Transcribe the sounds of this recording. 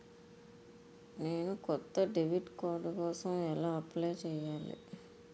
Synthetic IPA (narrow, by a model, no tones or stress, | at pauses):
ne̞ːnukɔt̪ːɐɖiʋiʈkɔːd̪ɐkɔːsɐmɛlaːɐplejt͡ʃɛːjaːlḭ